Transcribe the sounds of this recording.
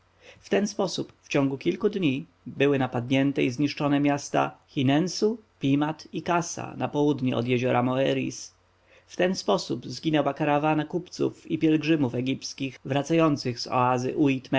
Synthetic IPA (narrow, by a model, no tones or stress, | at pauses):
ft̪ɛnspɔsupft͡ɕɔ̃ŋɡukʲilkud̪ɲi | bɘwɘnapad̪ɲɛnt̪ɛizɲiʂt͡ʂɔnɛmʲjast̪a̰xʲinɛnsupʲimat̪ikasa̰napɔwud̪ɲiɔ̰d̪jɛʑɔɾamɔɛɾḭs | ft̪ɛnspɔsubzɡʲinɛwakaɾavanakupt̪sṵfipʲjɛlɡʐɘmufɛɡʲipskʲiɣvɾat̪sajɔnt̪sɘɣz̥ɔ̰azɘ̰ʔuit̪m